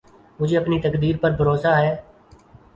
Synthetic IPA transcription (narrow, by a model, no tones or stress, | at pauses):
mʊd͡ʒʱeːɐpniːt̪əkd̪iːɾpəɾbʱəɾoːsaːɦeː